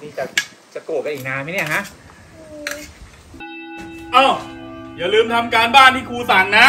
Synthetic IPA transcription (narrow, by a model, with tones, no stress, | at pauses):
diː˧t͡ɕa˨˩ | t͡ɕa˨˩ku˨˩t̚ka˧ʔiː˨˩naː˧nma˥˩˨ni˥˩kʰa˦˥ʔ | ʔɔː˧˩jaː˨˩lɯː˧mt̪ʰa˧mkaː˧nbaː˥˩nt̪ʰiː˥˩kʰuː˧sa˨˩˦ŋna˦˥